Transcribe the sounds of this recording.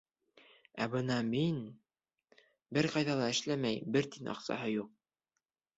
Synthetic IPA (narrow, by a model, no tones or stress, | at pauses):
æbɤnɑmin | bɘɾqɑjðɑlˠɑɘ̆ʃlæmæjbɘɾt̪inʔɑ̰qsɑ̰hɤjuq̚